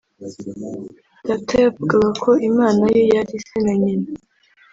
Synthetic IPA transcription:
d̥atʰajavuɡaɡakʰo̞ʔimaːnajojaɾisenaɲina

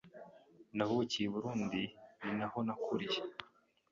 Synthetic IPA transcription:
naβucijeβuɾuːndininahonakʰuɾije

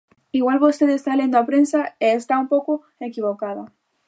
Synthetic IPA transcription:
iɣwalβost̪eðest̪alend̪oapɾensaeːst̪aumpowko | ekiβ̞okaða

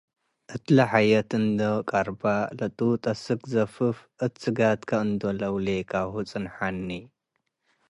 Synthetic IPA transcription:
ʔɨt̪lɐħajɐt̪ɨnd̪okʼaɾbalɐt̪ʼut̪ʼɐsɨkʼzɐfɨfʔɨt̪sɨɡat̪kʰɐɨnd̪olɐwlekʰaβhut͡sʼɨnħanːi

